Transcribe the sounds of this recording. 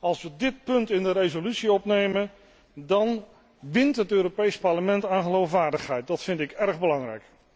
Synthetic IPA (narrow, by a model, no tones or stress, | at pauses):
ɑlˠsʋədɪt̚pɵntɪndəɾejzolytsiɔpnejmə | dɑn | ʋɪntɦətøːɾopejspɑɹləmɛntaːχəlowfʋaːɹdəχɦɛjt̚dɑtfɪntɪkɛɹχbəlɑŋrɛ̰jk